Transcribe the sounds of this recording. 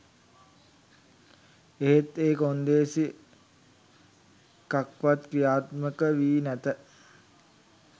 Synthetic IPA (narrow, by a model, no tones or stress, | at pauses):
eɦet̪eːkond̪eːsi | kakʋat̪kɾijaːt̪məkəʋiːnæt̪ə